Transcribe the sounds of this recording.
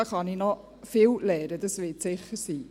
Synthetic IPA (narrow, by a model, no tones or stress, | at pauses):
ɑχɑninɔ | fɪːwlɛːɾədɑsvɪtsɪχəɾsiː